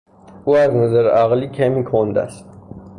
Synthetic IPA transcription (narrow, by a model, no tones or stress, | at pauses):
uːæznæzæɾæɣliːkʲʰæmikʰond̪æ̰st̪